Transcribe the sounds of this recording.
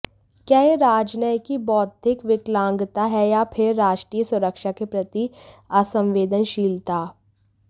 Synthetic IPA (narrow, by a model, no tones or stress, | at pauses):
kjaeɾaːd͡ʒnəjkibɔːt̪̚d̪ɪkʋɪklãːŋɡt̪aɦɛjapʰɪɾːaːʃʈɾiːjəsʊɾəkʃakepɾɐt̪iasə̃mʋeːd̪ənʃiːlt̪aː